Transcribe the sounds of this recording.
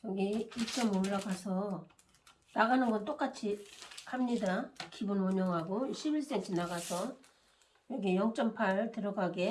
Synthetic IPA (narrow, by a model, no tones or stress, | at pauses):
jʌɡiit͡ɕ͈ʌmoɭːaɡasʰʌ | naɡanɯnɡʌnt͈ok͈at͡ɕʰihamɲidakibunwʌɲʌŋɦaɡoɕʰibiɭs͈ent͡ɕʰinaɡasʰʌ | jʌɡijʌŋt͡ɕ͈ʌmpʰaɭtɯɾʌɡaɡe̞